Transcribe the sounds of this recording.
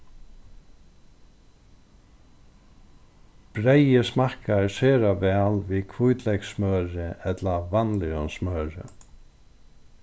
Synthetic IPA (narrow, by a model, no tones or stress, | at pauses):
b̥ɾejɪsmahkaɛɹseːɾavɛːlvikʰvujt̪lɛjksmœːɾɪɛt̪lavanlɪɔnsmœːɾɪ̰